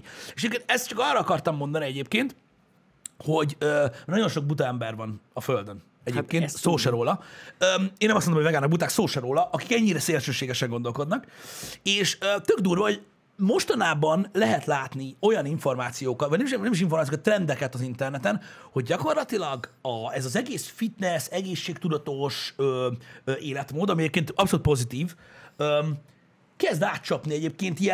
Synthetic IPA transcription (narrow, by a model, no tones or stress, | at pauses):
ɛʃɛɟepkent̪ɛst̪t͡ʃɒkɒːrɒɒkɒrt̪ɒmːo̞nd̪ɒniɛɟeːp̚keːnt̪ | ho̞ɟøːnɒɟo̞nʃo̞ɡ̚but̪ɒɛmbɛrvɒnɒføld̪øn | ɛɟeːpkeːnsoːʃɛɾoːlɒøeːnɛmɒsmonomːovɛɡaːnɒɡbut̪aːksoːʃɛɾoːlɒʔɒki̥kɛɲːiɾɛseːlʃøːʃeːɡɛʃɛŋɡo̞nd̪o̞lko̞d̪nɒkeːʃøːt̪øɡd̪uːrvɒɦoɟ | mo̞ʃt̪ɒnaːbɒnlɛɦɛt̪laːt̪nio̞jɒniɱfo̞rmaːt̪sijoːkɒt̪vɒɟnɛmiʃnɛmiʃ̬iɱformaːsijoːkːt̪ːrɛnd̪ɛkɛt̪ɒzint̪ɛrnɛt̪ɛnho̞ɟɟɒko̞rlɒt̪ilɒɡɒɛzɒzɛɡeːsfit̪nɛsɛɡeːʃːeːk̚t̪ud̪ɒt̪o̞ʃøːøʔeːlɛt̪moːd̪ɒmiɛɟeːpkeːnt̪ɒpsoluːt̪̚po̞zit̪iːvø | kɛzd̪aːt̪̚t͡ʃɒpniɛɟeːp̚keːnt̪iɛ